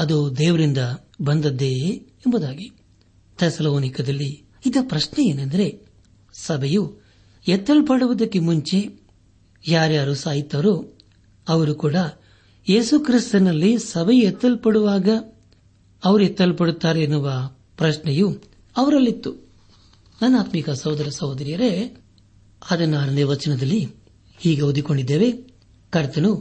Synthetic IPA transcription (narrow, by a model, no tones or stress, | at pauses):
ɐd̪ud̪ɛːʋɐɾind̪ɐ | bɐnd̪ɐd̪ːe̞ː | mbɐd̪aːɡi | t̪ʰesɐloːnikɐd̪ɐlːi | id̪ɐpɾɐʃnɛje̞ːnɐnd̪ɐɾe̞ | sɐbʱɐju | ɛt̪ːɐlpɐɽuʋɐd̪ɐkːemuɲt͡ʃe̞ | jaːɾjaːɾusaːjit̪ːɐɾu | ɐʋɐɾukuːɽɐ | jeːsukɾist̪ɐnɐlːisɐbʱɐjuɛt̪ːɐlpɐɽuʋaːɡɐ | ɐʋɐɾuɛt̪ːɐlpɐɽut̪ːaːɾeːnːuʋɐ | pɾɐʃnɛju | ɐʋɐɾɐlːit̪ːu | nɐnːaːt̪mikɐsɐwd̪ɐɾɐsɐwd̪ɐɾijɐɾe̞ | ɐd̪ɐnːaːɾɐneːʋɐt͡ʃɐnɐd̪ɐlːi | hiːɡeud̪iko̞ɳɖid̪ːeːʋe | kɐɾt̪ɐnu